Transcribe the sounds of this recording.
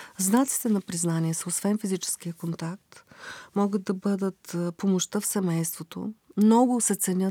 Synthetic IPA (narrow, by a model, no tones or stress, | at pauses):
znat̪si̥t̪ɛnɐpɾiznaniɛsəosvɛnfizit͡ʃɛ̥sk̟ijəkont̪ak̚t̪mɔɡəd̪̚d̪ːɐbɤd̪ət̪pomoʃt̪əfsɛmɛjst̪vot̪o̰mnɔɡʊsɛt̪sɛnʲə